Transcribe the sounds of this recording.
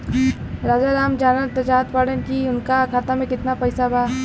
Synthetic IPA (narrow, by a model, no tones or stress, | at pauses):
ɾaːd͡ʒaɾaːmd͡ʒaːnəɾt̪ɐt͡ʃaːt̪paːɽənkiʊnkakʰaːt̪amẽkɪt̪napɐɪsabaː